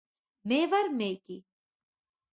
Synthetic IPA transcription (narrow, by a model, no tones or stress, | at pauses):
meːʋɐɾmeːki